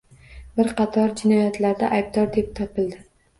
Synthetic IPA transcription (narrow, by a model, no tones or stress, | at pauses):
bɪɾqʰɑt̪ʰɒɾd͡ʒɪnɒjat̪ʰlaɾd̪aʔajb̚d̪ɒɾd̪e̞p̚t̪ʰɒpʰɪld̪ɪ